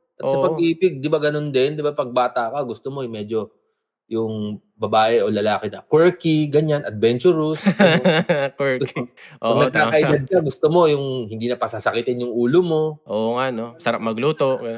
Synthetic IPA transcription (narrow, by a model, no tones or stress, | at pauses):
ʔɐt̪sɐpɐɡiːpɪɡ̚d̪ɪbaɡɐno̞nd̪ɛnd̪ɪbapɐɡ̚baːt̪ɐʔkoɡʊst̪omo̞ɛmɛːd͡ʒo̞ | jʊŋ | bɐbaːʔɛʔo̞lɐlaːkɪnɐkwɛɹkiɡɐɲanʔɐd̪̚bɛnt͡ʃʊɾʊs | kwɛɹkʔoɐŋnɐɡ̚t̪aːɐʔɪɡɐd̪̚kɐɡʊst̪omo̞jʊŋhɪnd̪iːnɐpɐsasɐkit̪ɪnjʊŋuːlomo̞ʔoʔŋanosɐɾap̚mɐɡluːt̪o